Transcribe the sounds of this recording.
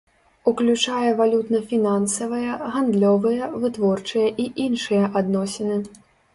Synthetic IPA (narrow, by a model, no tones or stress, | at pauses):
uklʲut͡ʂajɛvalʲut̪nɐfʲinansɐvɐjɐɣand̪lʲɔvɨjɐvɨt̪vɔrt͡ʂɨjɐʔiʔinʂɨjɐʔad̪nɔsʲɛnɨ